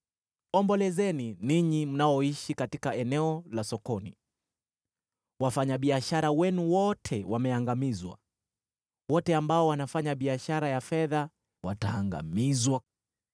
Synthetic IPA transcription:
ɔmbɔlɛzɛniniɲim̩naɔiʃikatikaɛnɛɔlasɔkɔnḭ | wafaɲaɓiaʃaɾawɛnuwɔtʰɛwamɛaŋɡamizwa̰ | wɔtɛambaɔwanafaɲaɓiaʃaɾajafɛða | wataːŋɡa̰mizwa

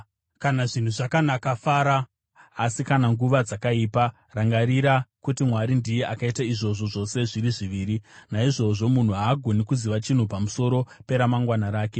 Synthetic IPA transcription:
kanaʐin̤uʐakanakafaːɾaː | sikanaŋɡuʋad͡zakaiːpa | raŋɡaɾiɾakutimwaɾindijeʔakaitaiʐo̞ʐo̞ʐo̞se̞ʐiɾiʐiʋiːɾinaiʐo̞ʐo̞mun̤uɦaːɡʱo̞nikuziʋat͡ʃin̤upamuso̞ɾo̞pe̞ɾamaŋɡwanaɾaːke̞

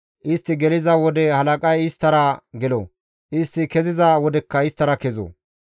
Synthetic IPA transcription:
ʔɪst̪ːɪɡɛlɪzɐwɔd̪ɛhɐlɐkʼɐjɪst̪ːɐɾɐɡɛlo̰ | ʔɪst̪ːɪkɛzɪzɐwɔd̪ɛkːɐɪst̪ːɐɾɐkɛzo̰ː

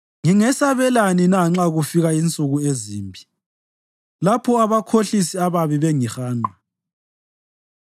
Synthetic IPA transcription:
ŋiŋɛsaβɛlaninaŋ͡ǁaɣufiɣaint͡sʼuɣueziːmbʱi | lapʰɔaβakʰoɬisiaβaβiβɛŋixaːŋ͡ǃʱa

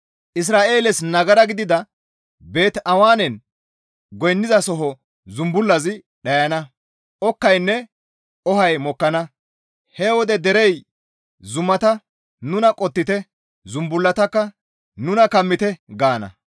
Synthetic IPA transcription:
ʔɪs̬ɾaːʔe̞ːlɛsnɐɡɐɾɐɡɪd̪ɪd̪ɐ | be̞ːt̪ɐwaːnɛn | ɡɔjnːɪzɐsɔɦɔ | zʊmbʊlːɐzɪ | ɗɐjɐnɐ | ʔɔkːɐjnːɛ | ɔhɐjmɔkːɐnɐ | hɛwɔd̪ɛd̪ɛɾɛj | zʊmːɐt̪ɐ | nʊnɐkʼɔt̪ːɪt̪ɛ | zʊmbʊlːɐt̪ɐkːɐ | nʊnɐkɐmːɪt̪ɛɡaːnɐ̰

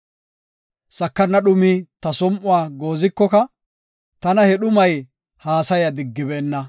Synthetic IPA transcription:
sɐkːɐnːɐɗʊmit̪ɐsɔmʔʊwaːɡoːzɪkːɔkɐ | t̪ɐnɐhɛɗʊmɐj | haːsɐjɐd̪ɪɡːɪbeːnːɐ

